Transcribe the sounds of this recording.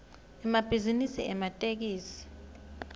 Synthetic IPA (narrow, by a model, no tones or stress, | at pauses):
ɛmab̥ʱizinisiɛmatʼek̬iːsi̥